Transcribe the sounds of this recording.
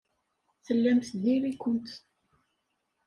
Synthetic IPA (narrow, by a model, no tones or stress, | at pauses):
θəlːæmθðiɾikənt̪